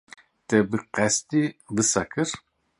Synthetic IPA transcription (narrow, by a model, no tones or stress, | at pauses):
t̪ʼɛbɨqʼɛst̪ʼivɨsakʰəɾ